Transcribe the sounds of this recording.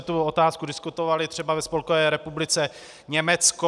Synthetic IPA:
ɛt̪uot̪aːskudɪskut̪ovalɪt̪r̥ɛbavɛspolkovɛːɾɛpublɪt͡sɛ | ɲɛmɛt͡sko

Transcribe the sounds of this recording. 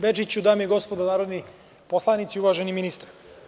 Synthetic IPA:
bed͡ʒit͡ɕud̪aːmjeɡo̞spod̪anaːɾo̞d̪ni | poslˠanit̪siuʋaʒeniminist̪aɾ

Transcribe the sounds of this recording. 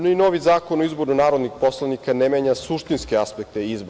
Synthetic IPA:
noino̞ʋizaːko̞noizbo̞ɾnunaːɾod̪nixpo̞slˠanikanemeɲasuʃt̪inskeaspekt̪eizboɾ

